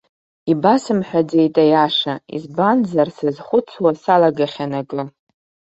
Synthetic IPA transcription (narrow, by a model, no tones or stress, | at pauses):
ibasɨmħʷᶣad͡zejtʼajaʂaḭzbanzarsɨzχʷʊt͡sʰwasalaɡaχʲanaɡʼɨ